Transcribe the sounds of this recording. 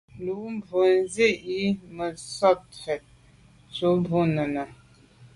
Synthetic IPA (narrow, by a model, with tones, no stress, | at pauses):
lu˨ʔm˦bʱo˨nze˦˨ʔi˦mə˨sɔ˦thɛ˨t̚ | t͡ʃo˨˦mbʱo˦nə˨nə˨